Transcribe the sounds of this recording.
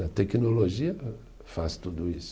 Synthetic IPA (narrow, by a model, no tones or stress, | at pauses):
ɐt̪ɛknoloʒiɐ | fast̪ud̪ʊisʊ̥